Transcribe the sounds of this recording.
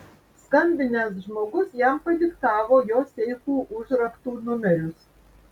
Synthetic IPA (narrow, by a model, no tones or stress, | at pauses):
skɐmʲbʲɪnʲɛs̬ʒmoːɡʊsjɛmpɐd̪ʲɪkt̪ɑːʋoːjoːsʲɛɪkuːʔʊʒɾɐkt̪uːnʊmʲɛɾʲʊs